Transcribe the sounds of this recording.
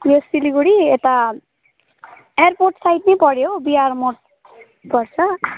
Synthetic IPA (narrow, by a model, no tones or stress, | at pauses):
jesiliɡuɽiet̪a | eerporʈsajʈnʌjpʌɽjobiarmoʈ̚ | pʌrt͡sʰʌ